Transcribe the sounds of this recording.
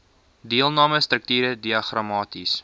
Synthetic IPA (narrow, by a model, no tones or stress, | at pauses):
diəlˠnɑːməstɾək̚tyːɾədiɐχrɑmɑːtis